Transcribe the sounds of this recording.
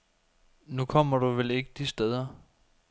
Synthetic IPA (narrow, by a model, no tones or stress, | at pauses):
nukʰɒ̽m̰ɐɾ̥uʋele̝ɡ̥əd̥isd̥eð̞ˠɐ